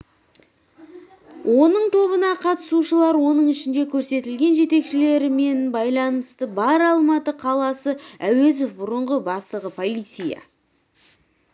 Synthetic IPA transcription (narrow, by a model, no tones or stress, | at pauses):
wʔo̞nəɴt̪ʰo̞βənɑqʰɑt̪ə̥suʃəlˠɑɾwo̞nəɴɪʃɪnd̪ekʲʰɵɾse̞t̪ɪlɡʲe̞nʒe̞t̪e̞kʃɪle̞ɾɪme̞nbɑjlˠɑnəst̪əbɑɾɑlˠmɑt̪əqʰɑlˠɑsəæwe̞zofbʊɾəɴʁəbɑst̪əʁəpʰo̞lˠijt̪sɨjɑ̰